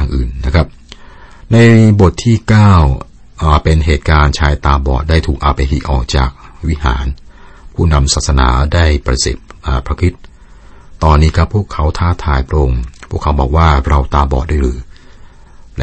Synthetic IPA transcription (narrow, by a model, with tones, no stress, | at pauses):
ŋʔɯ̰ː˨˩nːa˦˥kʰa˦˥p̚ | na˧jbo˨˩t̪ʰːiː˥˩kaː˥˩w | ʔaː˨˩pe˧nɦeː˨˩t̪̚kaː˧nt͡ɕʰaː˧jt̪aː˧bɔː˨˩t̪̚daː˥˩jt̪ʰuː˨˩k̚ʔaː˨˧˩pa˧jɦi˨˦˩ʔɔ̰ː˨˩k̚t͡ɕa̰ː˨˩k̚wi˦˥ha̰ː˩˦n | pʰuː˥˩na˧msaː˨˩sa˧na̰ː˩˦daː˥˩jpɾa˧sḛ˨˩p̚ʔaː˨˩pʰɾa˦˥kʰɾi˦˥t̪̚ː | t̪ɔː˧nːiː˦˥kʰa˦˥pʰːuː˥˩əkʰːa˦˥wt̪ʰaː˦˥˩t̪ʰaː˧jpʰɾa˦˥ʔo˧ŋpʰu˥˩əkʰːa˦˥wbɔː˨˩k̚waː˥˩ɾa˧wt̪aː˧bɔː˨˩t̪̚duː˥˩˨jɾɯː˩˦ | l